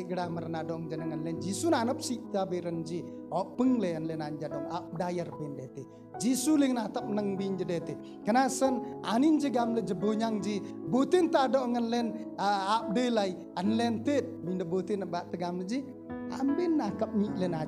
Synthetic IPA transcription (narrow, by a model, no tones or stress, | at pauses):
ɡəɽaməɾənadɔʔŋd͡ʒənəŋənlɛnd͡ʒisunanəp̚siʔt̪abeɾənd͡ʒiɔpəŋleənlɛnaɲd͡ʒadɔŋap̚dajərbindɛt̪e | d͡ʒisuleŋnat̪əp̚nəŋbiɲd͡ʒədɛt̪e | kənasəna̰nind͡ʒəɡamləd͡ʒəboɲaŋd͡ʒibot̪int̪adɔʔŋənlɛnap̚delai | ənlɛnt̪et̪̚biɲdəbot̪inəbaʔt̪əɡamləd͡ʒi | a̰mbenːakəp̚niʔlɛna